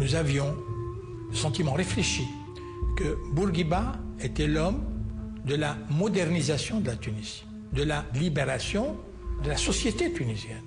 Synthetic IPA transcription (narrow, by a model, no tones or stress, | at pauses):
nuzavjɔ̃ | əsɑ̃t̪imɑ̃ʁefleʃi | kəbuʁɡʲibaet̪ɛlɔmd̪əlamɔd̪ɛʁnizasjɔ̃d̪əlat̪yniz̥i̥ | d̪əlalibeʁasjɔ̃ | d̪əlasɔsjet̪et̪ynizjɛn